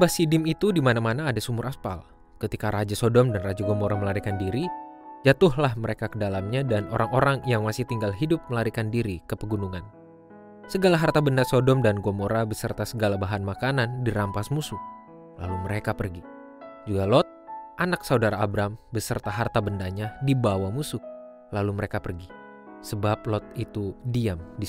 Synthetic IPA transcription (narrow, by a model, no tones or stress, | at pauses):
mbahsidɪmit̪udimanamanaːdasumʊɾʔapa̰l | kət̪ikaɾad͡ʒasodɔmdanrad͡ʒaɡomoɾaməlaɾikandiɾid͡ʒat̪ʊhlahməɾekakədalamɲadanoɾaŋoɾaŋjaŋmasɪht̪iŋɡalɦidʊp̚məlaɾikandiɾikəpəɡunuŋan | səɡalaɦart̪abəndasodɔmdanɡomoɾabəsərt̪asəɡalabaɦanmakanandiɾampasmusʊk̚ | la̰luməɾekapərɡi | d͡ʒuɡalɔt̪̚ʔanaksaudaɾaːbɾambəsərt̪aɦart̪abəndaɲadibawamusʊk̚ | laluməɾekapərɡi | səbap̚lɔt̪̚it̪udiamdi